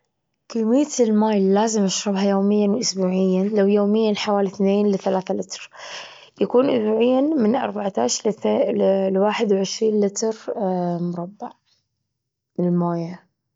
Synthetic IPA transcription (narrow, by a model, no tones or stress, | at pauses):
kiːmɪjːatlmaːjlːaːzɪmʔaʃɾʊbɦajoːmɪjːanwʔʊsbuːʕɪjːanlawjoːmɪjːanħawaːliθneːnlɪθalaːθalɪt̪ɾ | jakuːnʔʊsbuːʕɪjːamɪnʔɑ̰ɾˤbaʕt̪aːʃ | lwaːħɪd̪wʕɪʃɾiːnlɪt̪ɾmʊɾˤɑbːaʕ | mlmoːja